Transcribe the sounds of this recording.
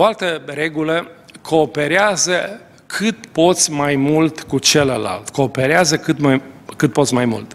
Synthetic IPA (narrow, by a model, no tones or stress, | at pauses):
oalt̪ərɾe̞ɡulə | kʰoːpe̞ɾeazə | kʰɨt̪po̞t̪sʲmajmult̪kut͡ʃeləla̰lt̪ko̞ːpeɾeazəkɨt̪makɨt̪̚po̞t̪sʲmajmṵlt̪